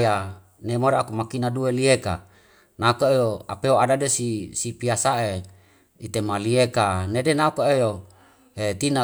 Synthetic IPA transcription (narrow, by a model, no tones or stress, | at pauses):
ja | nemoɾeakumakinaduelieka̰ | nakoejoa̰peoadadesisipiasaʔe | it̪emaliekanedenaukoejo | et̪ina